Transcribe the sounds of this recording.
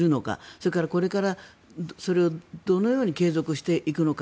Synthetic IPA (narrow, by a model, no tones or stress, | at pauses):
ɾɯ̟no̞ka̰so̞ɾekaɾako̞ɾe̞kaɾa | so̞ɾe̞o̞d̪̥o̞no̞jo̞ːɲ̟ike̞ːzo̞kɯ̟ɕi̥t̪e̞ʔikɯ̟no̞k